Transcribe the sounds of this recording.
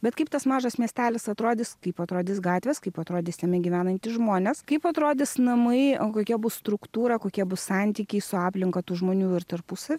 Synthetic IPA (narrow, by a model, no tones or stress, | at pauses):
bʲɛt̪kɐɪp̚t̪ɐsmɑːʒɐsmʲiɛsʲt̪ʲæːlʲɪsɐt̪ɾoːd̪ʲɪskɐɪpɐt̪ɾoːd̪ʲɪsɡɑːt̪ʲʋʲɛskɐɪpɐt̪ɾoːd̪ʲɪːsʲɛmʲɪɡʲiʋʲæːnɐnʲt̪ʲɪsʒmoːnʲɛskɐɪpɐt̪ɾoːd̪ʲɪsnɐmɐɪkoːkʲiɛbʊsst̪ɾʊkt̪uːɾɐkoːkʲiɛbʊssɑnʲt̪ʲiːkʲɛɪsʊɑːpʲlʲɪŋkɐt̪uːʒmoːnʲuːɪrt̪ɐɾpʊsɐʋʲɪ